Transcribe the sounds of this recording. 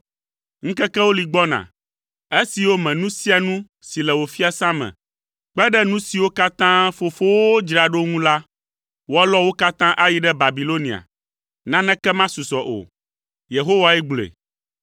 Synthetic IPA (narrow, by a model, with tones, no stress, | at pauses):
ŋ̩̃˦kɛ˦kɛ˦wo˦li˨ɡ͡bɔ˦nã̰˨ | e˦si˨wo˦mɛ̃˨nũ˦si˦a˨nũ˦ | si˨lɛ˨wo˨fi˦a˨sã˦mɛ̰̃˨ | k͡pɛ˦ɖɛ˦nũ˦si˨wo˦ka˦t̪ã˦fo˨fo˦wo˦d͡ʒɾa˨ɖo˦ŋũ˦la˦ | wo˦a˦lɔ˦wo˦ka˦t̪ã˦ʔa˦ji˦ɖɛ˦ba˨bi˨lo˦nĩ˨a̰˨ | nã˦nɛ̃˦kɛ˦mã˦su˨sɔ˨ʔo̰˨ | je˨ɦo˦wa˨ɛ˦ɡ͡blḛ˨